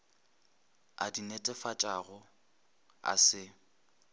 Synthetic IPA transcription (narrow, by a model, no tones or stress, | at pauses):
a̰dinetʼɛfat͡ʃʼaɣʊ | a̰sɪ